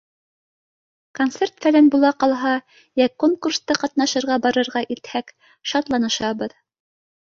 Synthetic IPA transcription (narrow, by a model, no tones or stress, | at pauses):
kont̪sert̪fælænbulˠɑqɑlˠɦɑ | jækːoŋkurst̪ɤqɑt̪nɑʃɤ̆ɾʁɑbɑɾɤ̆ɾʁɑʔit̪hæk | ʃɑt̪lˠɑnɤ̆ʃɑbɤð